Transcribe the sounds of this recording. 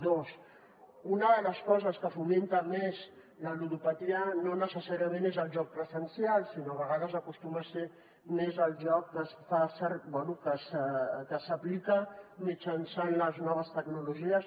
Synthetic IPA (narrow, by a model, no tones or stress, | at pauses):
d̪os | unəðələskɔzəskəfument̪amez | ləluɾupat̪iənonəsəsaɾiəmẽnezəlˠʒɔk̚pɾəzənsialˠsinoβəɣ̞aðəzakust̪umase | mezəlˠʒɔk̚kəsfasɛɾbwɛnukəskəsəplikəmit͡ʃansanləznɔβ̞əst̪əɡnuluʒiəs